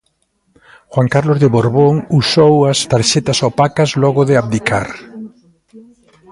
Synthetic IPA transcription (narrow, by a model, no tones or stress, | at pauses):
xwaŋkaɾlozðeβoɾβoŋusowɐst̪aɾʃet̪ɐsopakɐzlɔɣʊðɪaβd̪ikʰa̰ɾ